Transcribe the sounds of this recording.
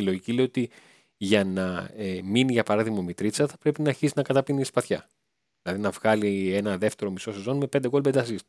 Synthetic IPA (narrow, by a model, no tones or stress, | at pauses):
ilo̞ʝicileoo̞t̪i | ʝɐnɐminiʝɐpɐɾɐðiɣmɐomit̪ɾit͡sɐθɐpɾe̞pinɐːɾçisinɐkɐt̪ɐpiniispɐθçɐ | ðilɐðinɐvɣɐlie̞nɐðe̞ft̪e̞ɾo̞miso̞sezo̞nme̞pe̞nd̪e̞ɣolbed̪ɐsist̪